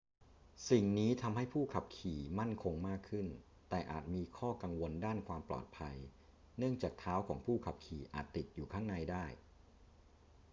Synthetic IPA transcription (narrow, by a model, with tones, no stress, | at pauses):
si˨˩ŋniː˦˥t̪ʰa˧mhɦa˥˩jpʰuː˥˩kʰa˨˩p̚kʰiː˨˩ma˥˩nkʰo˧ŋmaː˥˩kʰːɯ˥˩n | t̪ɛː˨˩ʔa̰ː˨˩t̪̚miː˧kʰɔː˥˩ka˧ŋwo˧ndaː˥˩nkʰwaː˧mplɔ̰ː˨˩t̪̚pʰa˧j | nɯ˥˩əŋt͡ɕaː˨˩k̚t̪ʰaː˦˥wkʰɔ̰ː˩˦ŋpʰuː˥˩kʰa˨˩p̚kʰiː˨˩ʔa̰ː˨˩t̪ːi˨˩t̪̚juː˨˩kʰaː˥˩ŋna˧jdaː˥˩j